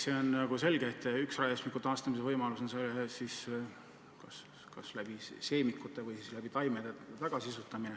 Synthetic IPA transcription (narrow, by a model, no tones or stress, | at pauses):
se̞onɑɡ̥use̞lɡ̥et̪ːˑyksrɑesmikːut̪ːɑːst̪ɑmis̬evɤjmɑlusonselːesis | kɑs | kɑslæb̥ise̞ːmikːˑut̪ːˑevɯjsislæb̥it̪ɑjmed̪̥et̪ɑɡ̥ɑsiisut̪ːˑɑmine